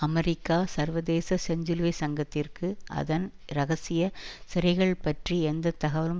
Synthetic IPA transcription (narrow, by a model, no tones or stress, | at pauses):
ɐmɛɾɪkːaːsɐɾʋɐðeːsɐsɛɲd͡ʒɯlʋɐɪsɐŋɡɐt̪ːɪrkɯʔɐ̰ðɐn | ɾɐɣɐsɪjɐsɪɾɐɪɣɐɭpɐʈriɛnd̪ɐt̪ːɐɣɐʋɐlɯm